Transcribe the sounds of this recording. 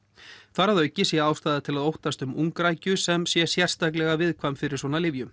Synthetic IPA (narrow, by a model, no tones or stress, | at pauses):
θaɾaðœːɥcɪsjɛaːwst̪ajðat̪ʰɪlaðowht̪ast̪ʏmʔuŋkɾaːjcʏsɛmsjɛsjɛr̥t̪ak̬lɛɣavɪðkʰvamfɪɾɪɾ̥swɔːnalɪvjʏm